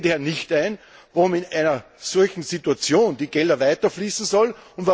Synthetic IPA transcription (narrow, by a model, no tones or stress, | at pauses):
dheːɐnɪçtæɪn | voʊmɪnæɪnɐ | sɔlçn̩zituat͡sjoːnd̥iːɡ̥ɛldɐvaɪtɐfliːsn̩sɔlʊntva